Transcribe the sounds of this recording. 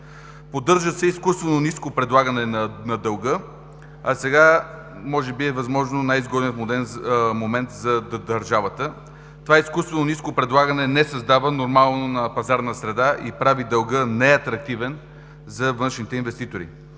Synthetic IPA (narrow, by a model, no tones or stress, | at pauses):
pod̪ɤɾʒəsɛiskust̪vɛnoniskopɾɛd̪lˠaɡɐnɛnɐnɐd̪ɐlˠɡɤ | ɐsɛɡa | mɔʒɛbiɛvɐzmɔʒnonajzɡɔd̪ɛnfmod̪ɛnmomɛnt̪zɐd̪ɐɾʒavət̪ə | t̪ovaiskust̪vɛnoniskopɾɛd̪lˠaɡɐnɛnɛsɐzd̪avənoɾmalˠnonɐpɐzaɾnəsɾɛd̪aʔḭpɾavid̪əlˠɡənɛɐt̪ɾɐk̚t̪ivɛn | zɐvɤnʃnit̪ɛinvɛst̪it̪oɾḭ